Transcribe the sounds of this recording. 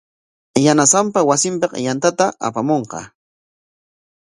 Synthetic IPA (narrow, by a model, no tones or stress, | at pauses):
janasampawasɪmpɑqjant̪at̪aa̰pamoɴqɑ̰